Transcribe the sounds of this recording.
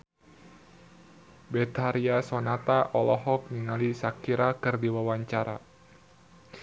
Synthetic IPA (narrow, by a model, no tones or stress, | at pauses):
bɛt̪aɾiasɔnat̪aʔɔlɔɦɔk̚niŋalisakiɾakɨrdiwawaɲt͡ʃaɾa̰